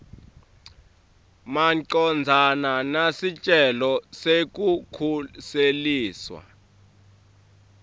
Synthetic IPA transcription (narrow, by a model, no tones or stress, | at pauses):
maǀɔnd͡zʱananasit͡ʃʼɛlɔsek̬ʼukʰuseliːswa̰